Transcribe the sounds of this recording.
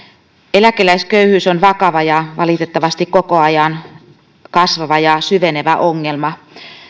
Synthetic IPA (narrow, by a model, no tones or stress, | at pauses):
elækelæiskøyhyːsonʋɑkɑʋɑjɑʋɑlit̪et̪ːɑʋɑst̪ikkokoɑjɑn | kɑsʋɑʋɑjɑsyʋeneʋæʔoŋːelmɑ